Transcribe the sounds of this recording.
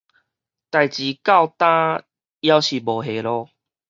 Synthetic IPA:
t̪a˨jt͡ɕi˨˦ka˥˧wt̪ã˦ | ja˦wɕi˨˩bo˨˩ɦe˨lɔ˧

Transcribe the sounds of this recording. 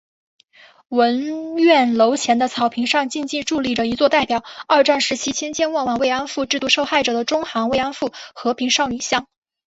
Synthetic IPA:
wə˧˥nɥɛ˥˩nlo˧˥ʊt͡ɕʰjɛ˧˥nd̪ə˧t͡sʰɑ˨˩ʊpʰi˧˥ŋʂɑ˥˧ŋt͡ɕi˥˧nt͡ɕi˥˧ʈ͡ʂu˥˧li˥˩ʈ͡ʂə˩i˧˥t͡swɔ˥˧t̪a˥˩ɪpjɑ˨˩ʊɐ˞˥˧ʈ͡ʂa˥˩nʂɻ̩˧˥t͡ɕʰi˥t͡ɕʰjɛ˥nt͡ɕjɛ˥˧nwɑ˥˩ŋwɑ˨˩ŋwe˥˩ɪa˥nfu˥˧ʈ͡ʂɻ̩˥˧t̪u˥˧ʂo˥˧ʊxa˥˩ɪʈ͡ʂɤ˨˩d̪ə˦ʈ͡ʂʊ˥ŋxɑ˧˥ŋwe˥ɪɑ˥nfu˥˩xɤ˧˥pʰi˧˥ŋʂɑ˥˩ʊni˨˩ɕjɑ˥˩ŋ

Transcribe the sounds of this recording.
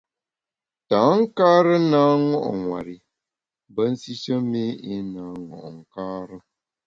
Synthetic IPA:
taː˨˦ŋ̩˦kaː˦ɾɨ˦naː˦ŋɔ˦ʔɔ̰˨ŋŋwa̰˨ɾɪ˨ | bə˦n̩˦si˦ʃə˦me˦i˦naː˨˦ŋɔ̰˨ʔŋ̩˨kaː˦ɾɨ˦

